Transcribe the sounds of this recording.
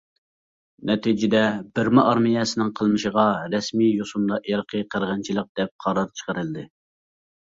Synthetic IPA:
nɛt̪id͡ʒɪd̪ɛbɪɾmɪʔɑɾmijɛsɪnɪŋqʰəlˠmɨʃəʁɑɾɛsmijosumd̪ɑʔjɑɾqʰəqʰəɾʁɑnt͡ʃʰilˠəq̚d̪̥ɛp̚qʰɑɾɑɾt͡ʃʰə̥qəɾɨlˠɨd̪ɨ

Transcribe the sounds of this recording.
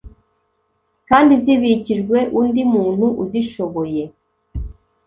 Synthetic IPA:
kaːndiziβiciʒɡwe̞ʔundimuːn̥huʔuziʃo̞βo̞je̞

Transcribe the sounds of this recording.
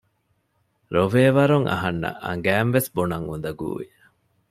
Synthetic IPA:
ɾoʋeːʋɐɾuŋʔɐ̰ɦɐnːɐ̰ʔɐ̰ŋɡæːnʋesbonɐŋund̪ɐɡṵːi

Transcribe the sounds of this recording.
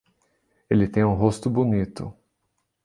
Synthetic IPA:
elɪt̪ẽj̃ũɦost̪ʊbonit̪ʊ̰

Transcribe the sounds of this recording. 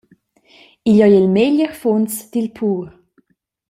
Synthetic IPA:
iʎɔjilmeʎəɾfunt͡sd̥̪ilpʰuːɾ

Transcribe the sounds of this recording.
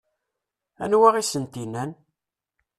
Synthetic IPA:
æ̰nwæʁisənt̪inːæn

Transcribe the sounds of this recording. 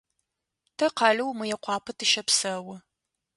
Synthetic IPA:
tʰɐqɑɮɐwmɨjɛqʷɑːpʰɐtʰɨʃɐpsɐwɐ

